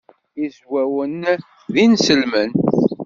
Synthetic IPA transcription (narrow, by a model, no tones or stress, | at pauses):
izwæwən | ðinsəlmən